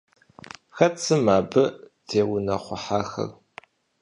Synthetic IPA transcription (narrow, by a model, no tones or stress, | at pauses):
xɐt͡sʰɨmaːbɨ | tʰeːwʊnɐχʷʊħaːxɐ̰r